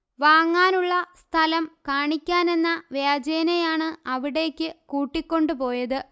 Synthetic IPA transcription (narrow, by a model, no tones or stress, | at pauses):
ʋaːŋːaːnuɭːɐst̪ʰɐlɐmkaːɳikʲːaːne̞nːɐʋjaːd͡ʑeːnejaːɳɨɐʋiɽe̞ːkʲːɨkuːʈːikʲːo̞ɳɖɨpo̞ːjɐðɨ